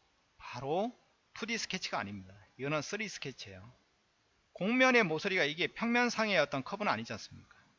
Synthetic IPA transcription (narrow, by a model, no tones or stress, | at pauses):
paɾo | tʰudis͈ʰɯ̥kʰet͡ɕʰiɡaa̰ɲimɲidaiɡʌnɯns͈ʰɯɾis͈ʰɯ̥kʰet͡ɕʰejo | koŋmjʌne̞mosʰoɾiɡaiɡe̞pʰjʌŋmjʌnsʰaŋe̞jʌt̚t͈ʌnkʰʌbɯna̰ɲid͡ʑians͈ɯmɲik͈ḁ